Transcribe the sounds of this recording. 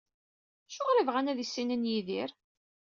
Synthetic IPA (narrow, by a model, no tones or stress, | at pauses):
æʃʊʁɾəvʁænæðisːinənjiðiɾ